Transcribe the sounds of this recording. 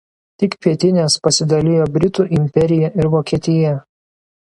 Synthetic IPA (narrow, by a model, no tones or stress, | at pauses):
t̪ʲɪkpʲiɛt̪ʲɪnʲɛspɐsʲɪd̪ɐlʲɪjoːbʲɾʲɪt̪uːʔɪmʲpʲɛɾʲɪjɛʔɪɾʋoːkʲiɛt̪ʲɪjɛ